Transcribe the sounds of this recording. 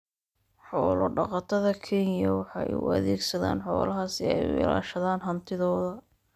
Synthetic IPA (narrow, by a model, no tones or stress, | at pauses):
ħɔːlɔɖɑqɑt̪ʰɐðɐkʰɛnjɐwɑħɑj̰ʊ̰ɐ̰ðɛːɡsɐða̰ːnħɔ̰ːlɐɦasɪɛ̰jʊ̰ʔɪ̰la̰ːʃɐðaːnɦɐnt̪ʰɪðɔːðɐ